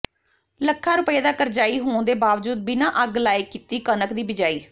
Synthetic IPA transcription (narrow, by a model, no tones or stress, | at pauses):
ləkʰːaːɾʊpəeːd̪aːkəɾd͡ʒaːiːɦoːnd̪eːbaːʋd͡ʒuːd̪̚binãːʔəɡlaːjɪkːit̪iːkənəkd̪iːbɪd͡ʒaːiː